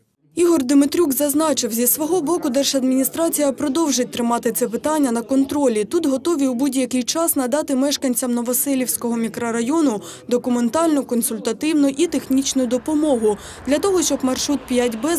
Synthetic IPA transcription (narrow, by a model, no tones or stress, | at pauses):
iɦɔrd̪mɪt̪ɾʲukzɐznɑt͡ʃɪwzʲisʋɔɦɔbɔkʊd̪ɛrʃɐd̪mʲinʲist̪ɾɑt͡sʲijɐpɾɔd̪ɔwʒɪt̚ʲt̪ɾɪmɑt̪ɪt̪sɛpɪt̪ɑnʲːɐnɐkɔnt̪ɾɔlʲit̪ut̪ɦɔt̪ɔʋʲiwbudʲjɐkɪjt͡ʃɑsnɐd̪ɑt̪ɪmɛʃkɐnʲt͡sʲɐmnɔʋɔsɛlʲiwsʲkɔɦɔmʲikɾɔɾɐjɔnʊ | d̪ɔkʊme̞nt̪ɑlʲnɔkɔnsʊlʲt̪ɐt̪ɪwnɔʔit̪e̞xnʲit͡ʃnʊd̪ɔpɔmɔɦʊ | d̪lʲɐt̪ɔɦɔʃt͡ʃɔbmɐrʃɾut̪̚pʲjatʲbɛ